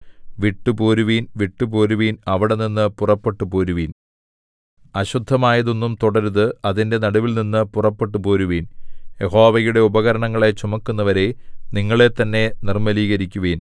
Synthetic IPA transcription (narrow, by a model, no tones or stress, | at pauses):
ʋiʈːuboːɾuʋiːnʋiʈːupoːɾuʋiːnɐʋiɽe̞ninːɨpurɐpːe̞ʈːupoːɾuʋiːn | ɐɕud̪ʱːɐmaːjɐðo̞nːumt̪uɽɐɾðɨɐðinde̞nɐɽuʋilninːɨpurɐpːe̞ʈːupoːɾuʋiːnje̞ho̞ːʋɐjuɽe̞ubɐɣɐɾɐɳɐŋːɐɭet͡ɕumɐkːunːɐʋɐɾe̞niŋːɐɭe̞t̪ːɐnːe̞nirmɐliːɣɐɾikʲːuʋiːn